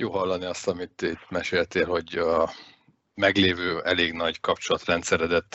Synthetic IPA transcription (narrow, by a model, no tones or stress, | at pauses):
joːɦɒlːɒniɒst̪ɒmit̪it̪mɛʃeːlt̪eːlho̞ɟ | mɛɡleːvøːɛleːɡnɒɟkɒpt͡ʃolɒt̪rɛnt̪sɛɾɛd̪ɛt̪ː